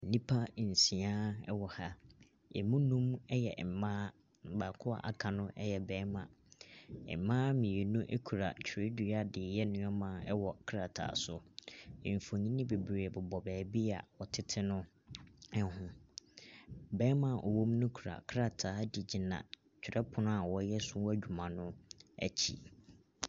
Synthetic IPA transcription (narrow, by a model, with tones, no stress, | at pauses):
nĩ˦pʰa˦˨n̩˨sĩ˨ãː˦ɛ̰˦wɔ˨ha˦ | ɛ̰˨mũ˦nũ˦mɛ˦jɛ̰˨m̩˨˦mãː˦˨ | ba˨kʰʊ˦a̰˨ʔa̰˨kʰa˨nʊ̃˦ʔɛ˦jɛ˨bɛː˨˦mã̰˨ | ɛ̰˨˦mã˦mĩ˨e˨nũ˦ʔæ˦kʰu˨ɾa̰˨t͡ɕʰɾɪ˦du˨˦a˦dɪ˨jɛ˦nʊ̃˨˦ɔ˦mã˨˦ɛ˦wɔ˨kʰɾa˨tʰa̰ː˨˦˨sʊ˦ɪ̃˨ɱ˨fõ˨ɲĩ˦nɪ̃˦be˨bɾeː˨bʊ˨bɔ˨bɛː˨bi˦a̰˨wɔ˨tʰɪ˦tʰɪ˦nʊ̃˦ | ɛ˦hʊ̃˦ | bɛː˦mã˨ʔɔ̰˨wõ˦mnʊ̃˦kʰu˨ɾa̰˨kʰɾa˦tʰaː˨˦di˨d͡ʑi˨nã̰˨ | t͡ɕᶣʰɪ˨ɾɛ˦pʰʊ˨nʊ̃˦a˨wɔ˨˦jɛ˦sʊ˦wɔ˦æ˦˨d͡ʑᶣu˨mã˨nʊ̃˦æ̰˨t͡ɕʰḭ˦